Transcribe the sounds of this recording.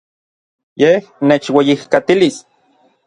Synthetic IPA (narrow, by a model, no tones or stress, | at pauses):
jehneːt͡ʃwejihkat̪ilis